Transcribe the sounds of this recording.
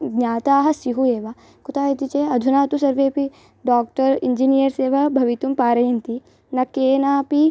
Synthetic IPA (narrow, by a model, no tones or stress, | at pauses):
ɡnʲaːt̪aːɦɐ̆siɦueːʋa | kut̪aːjit̪it͡ʃeɐd̪ʱunaːt̪usɐɾʋeːpi | ɖaːk̚ʈɐɾḭɲd͡ʒinijəɾseːʋɐbʱɐʋit̪umpaːɾɐjint̪i | nɐkeːnaːpi